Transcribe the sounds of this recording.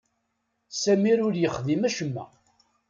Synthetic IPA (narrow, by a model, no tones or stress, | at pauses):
sæmiɾʊɾjəχðimæʃəmːæ̰